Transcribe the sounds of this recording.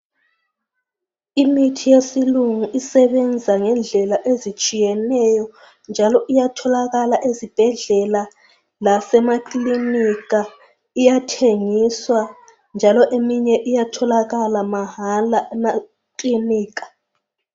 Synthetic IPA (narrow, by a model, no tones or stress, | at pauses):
imitʰijesiluŋuʔisɛβɛnd͡zʱaŋɛnd͡ɮʱɛlaʔezit͡ʃʼijɛnɛjɔ | nd͡ʒʱalɔʔijatʰɔlaɣalaʔezib̥ʱɛɮɛla | lasɛmaǃlinika | ijatʰeŋiswa | nd͡ʒʱalɔʔemiɲɛʔijatʰɔlaɣalamaɦalaɛna | kliniːk̬ḁ